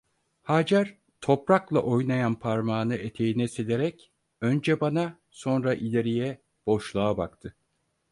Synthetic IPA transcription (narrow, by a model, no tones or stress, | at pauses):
haːd͡ʒaɾ | t̪ʰo̞pɾaklˠa̰ʔo̞jnajanpʰaɾmaːnɯe̞t̪ʰe̞jinɛseleɾɛc | ønd͡ʒɛbana | so̞nɾaʔilʲeɾijɛ | b̥o̞ʃlˠaabakt̪ʰɯ